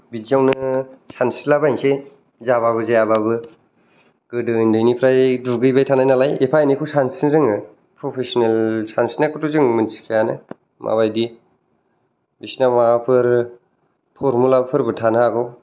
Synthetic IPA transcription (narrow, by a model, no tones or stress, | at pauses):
biiawnɯsansilabajnse | zaβaβɯzajabaβɯ | ɡ̥ɯdɯndɯjnipʰɾajduɡɯjbajtʰanajnalajepʰajnikʰuwsansnzɯŋɯ | pʰɾopʰesɔnelsansnakʰutuzɯŋmɯnsi̥kʰijanɯ̰ | mʔa̰βajdi | bisnamapʰɯɾ | pʰɔɾmulabpʰɯɾbɯtʰanaaɡɯw